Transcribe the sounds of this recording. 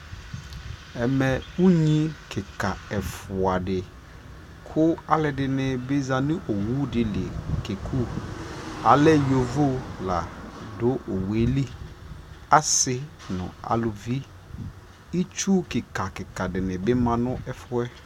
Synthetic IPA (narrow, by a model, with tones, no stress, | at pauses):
ɛ˨mɛ˨u˦ɲĩ˦kʰɪ˨ka˨ɛ˨fʊ˨a˨dɪ˨ | kʰʊ˦a˦lɪ˨dɪ˨nɪ˨bɪ˦za˨nɪ̃˦ʔo˨wu˦dɪ˨lɪ˨ke˨kʰu˦ | a̰˨lɛ˦jo˨vo˦la̰˨dʊ˦ʔo˨we˦li˦ | a˦sɪ˦ | nʊ̰̃˨a̰˨lʊ˨vi˦ | i˦t͡ʃu˦kɪ˨ka˨kɪ˨ka˨dɪ˨nɪ̃˨bɪ˦mã˨nʊ̃˦ɛ˦fʊ˦ɛ˦